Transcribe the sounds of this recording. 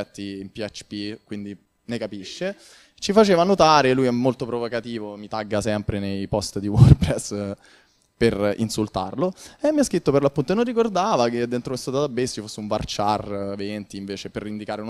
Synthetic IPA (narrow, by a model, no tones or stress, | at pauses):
ɛt̪ːiːmpiat͡ʃːpikwind̪i | nekapiʃːe | t͡ʃifat͡ʃeːvanot̪aːɾelujɛmːolt̪opɾovokat̪iːvomit̪aɡːasɛmpɾenejpɔst̪d̪iworpɾɛsː | perḭnsult̪a̰rloɛmːiaskɾit̪ːoperlapːunt̪oenonːikord̪aːvaked̪ent̪ɾomest̪at̪ad̪abːesːt͡ʃifosːeuɱva̰rt͡ʃarvent̪iːɱveːt͡ʃeperːind̪ikaːɾeu